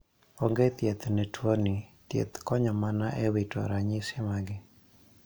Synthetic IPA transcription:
oŋɡet̪jet̪nɛtwonɪt̪jḛt̪kɔɲɔmanaʔɛwitʰɔ̰ɾaɲɪsɪmaɡɪ

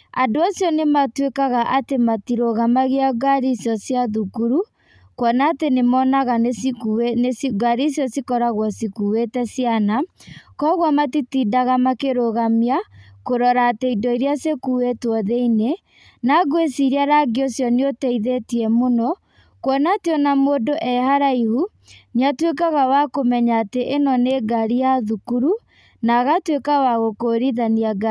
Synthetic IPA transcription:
adoasjɔnematwekaɣaʔatematiɾoɣamaɣeaɡaɾisjɔsjaðukuɾu | kwɔnaːtenemɔnaɣanesinesiɡaɾisjɔsikɔɾaɣwɔsikuwetɛsijanakɔɣwamatitidaɣamakeɾoɣamiakoɾɔɾaːtɛidɔiɾiasekuwetwɔðeine | naɡwesiɾiaɾaɡeosjɔneotɛiðetiɛmonɔ | kwɔnatiɔnamoːdoʔɛɦaɾaihu | neatwekaɣawakomɛɲaːteʔenɔneɡaɾijaðukuɾu | naɣatwekawaɣokoɾiðaniaɡa

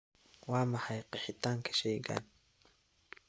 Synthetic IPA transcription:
wɑːmɐħɑjqɪħɪt̪ʰaːŋkʰɐ̥ʃɛjɡa̰ːn

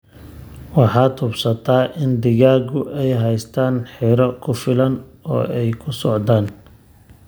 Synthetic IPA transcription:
wɑħɑːd̪ʊbsɐt̪ʰaːʔɪnd̪ɪɣaːɣʊʔɛjɦɛjst̪ʰaːnħiːɾɔkʰʊfɪlɐnɔ̰ːɛjkʰʊsɔʕd̪aːn

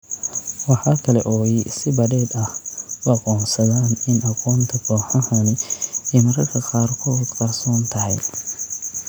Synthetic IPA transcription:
wɑħɑːkʰɐlɛʔɔːjsɪbɐdɛːd̪ɐhʊɑqɔːnsɐðaːnɪnʔɑqɔːnt̪ʰɐkʰɔːħɐhɐnɪɛmɐɾɐkʰɐqɑːrkʰɔd̪kɐrsɔːnt̪ʰɐɦɛj

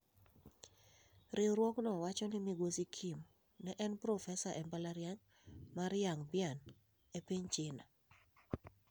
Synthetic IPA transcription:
ɾɪɾwɔknɔwat͡ʃɔnɪmiɡosikʰim | nɛʔɛnpɾɔfɛsaʔɛmbalaɾjaŋ | maɾjaŋbjan | epiɲt͡ʃɪna

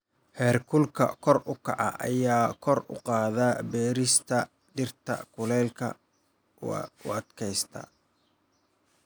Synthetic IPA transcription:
hɛːrkʰʊlkʰɐ̰kʰɔrʊkʰɑʕɑ̰ʔɐ̰jaːkʰɔrʊ̰qɑːðabɛːɾɪst̪ʰɐ | ɖ̪ɪrt̪ʰɐ̰kʰʊlɛːlkʰɐ̰ | ʊ̰ɐd̪kʰɛjst̪ʰɐ̰

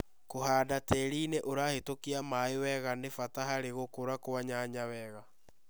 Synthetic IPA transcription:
kohaːdatɛɾineʔoɾahetokiamaewɛɣanefataɦaɾeɣokoɾakoaɲaɲawɛːɣa

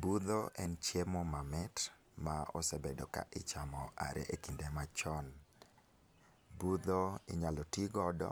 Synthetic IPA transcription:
bud̪oʔɛnt͡ʃjemɔmamɛt | maɔ̰sɛbedoka̰ʔɪt͡ʃamɔa̰ɾɛ̰ʔekindemat͡ʃɔn | bud̪oɪɲalɔtiɡɔdɔ̰

